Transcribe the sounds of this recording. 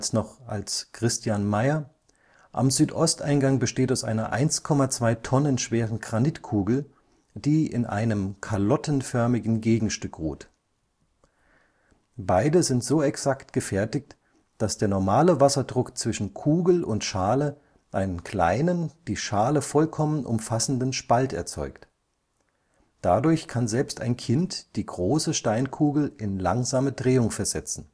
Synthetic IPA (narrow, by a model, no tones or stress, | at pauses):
snɔχa̰lskʁ̥ɪstjanmaɪɐ | ʔa̰mzyːtʔɔstʔaɪnɡaŋbəʃteːtaʊsʔa̰ɪnɐ̰ʔa̰ɪnskʰɔmat͡sv̥aɪtʰɔnənʃv̥eːʁənɡʁanɪtkʰuːɡl̩ | d̥iːʔɪ̰nʔa̰ɪnəmkʰalɔtən̩fœɐmɪɡn̩ɡeːɡŋ̩ʃtʏkʁṵːt | baɪdəzɪntz̥oːɛksaktɡ̥əfɛɐtɪçt | d̥asd̥eːɐnɔɐmaːləvasɐdʁʊkt͡sv̥ɪʃn̩kʰuːɡl̩ʔʊntʃaːlə | ʔaɪnənkl̥a̰ɪnənd̥iːʃaːləfɔlkʰɔmənʔʊ̰mfasn̩dənʃpaltɛ̰ɐt͡sɔ̰ʏkt | d̥adʊɐçkʰanzɛlpsta̰ɪnkʰɪntd̥iːɡʁoːsəʃtaɪnkʰuːɡl̩ɪnlaŋzaːmədʁeːʊŋfɛɐzɛt͡sn̩